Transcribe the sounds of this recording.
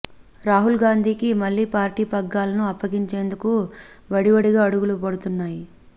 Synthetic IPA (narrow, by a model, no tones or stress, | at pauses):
ɾaːɦulɡaːnd̪ʱiːkimɐlːiːpaːɾʈiːpɐɡːaːlɐnuɐpːɐɡiɲt͡ʃe̞ːnd̪uku | ʋɐɽiʋɐɽiɡaːɐɽuɡulupɐɽut̪unːaːji